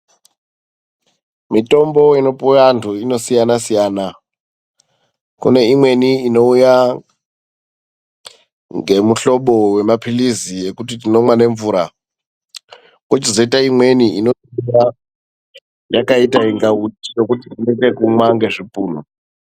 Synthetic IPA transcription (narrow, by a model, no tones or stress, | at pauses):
mito̞mboino̞purantʰuino̞sijanasijaːna | kṵne̞imwe̞niːno̞uja | ŋɡe̞muɬo̞ɓo̞we̞mapʰiliziekutitino̞mwane̞ɱvuːɾa | kwot͡ʃizoitaimwe̞niino̞tuja | jakaitaiŋɡaɦutijo̞kutitinekekuŋwaŋɡe̞ʐipuːn̤u